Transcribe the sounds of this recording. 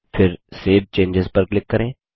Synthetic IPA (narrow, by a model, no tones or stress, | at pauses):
fʰɪɾseːb̚t͡ʃẽːɲd͡ʒɪzpɐɾklɪkːɐɾẽː